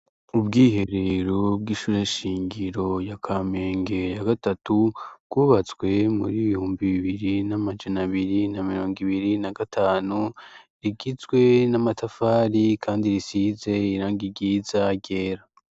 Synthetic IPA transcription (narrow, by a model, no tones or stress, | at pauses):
ubɡiːhe̞ɾe̞ɾobɡiʃuːɾe̞ʃiːŋɡiɾo̞jakʰaːme̞ːŋɡe̞jaɡatatubɡuːβat͡swe̞mṵɾiβihuːmbiβiβiɾinamad͡ʒanaβiɾinamiɾo̞ːŋɡiβiɾinaɡatʰaːnuɾiɡizɡwe̞namatafaːɾikʰaːndiɾisize̞iɾaːŋɡiɡiːzaɟe̞ːɾa